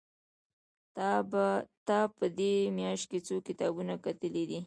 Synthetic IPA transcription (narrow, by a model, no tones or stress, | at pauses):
t̪ɑpəd̪emjɑʃt̪̚ket͡sokɪt̪ɑbunakat̪əlid̪i